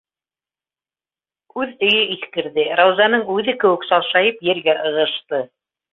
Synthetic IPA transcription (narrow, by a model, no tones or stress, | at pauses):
ʉðɵ̆jɵiθkɘ̆ɾðɘɾawzɑnɤɴʉðɘkɘ̆wɘksɑwˠʃɑjɤpjɘ̆ɾɡæʔɤ̆ʁɤ̆ʃt̪ɤ